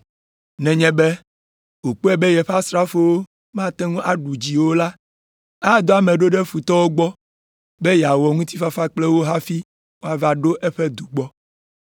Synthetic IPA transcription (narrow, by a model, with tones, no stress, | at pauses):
nɛ̃˨ɲɛ̃˦bɛ˦ | wo˨k͡po˦ɛ˦bɛ˦jɛ˨ɸa˦sɾa˦fo˦wo˦ | mã˦t̪ɛ˦ŋũ˦ʔa˦ɖu˨d͡ʑi˨wo˦la˦ | a˦˨d̪o˦a˨mɛ̃˨ɖo˦ɖɛ˦fu˨t̪ɔ˦wo˦ɡ͡bɔ˦ | bɛ˦jɛ˨a˨wɔ˨ŋũ˦t̪i˦fa˦fa˦k͡plɛ˦wo˦ɦa˦fi˦ | wo˦a˨va˦ɖo˦ʔɛ˦ɸɛ˦d̪u˨ɡ͡bɔ˦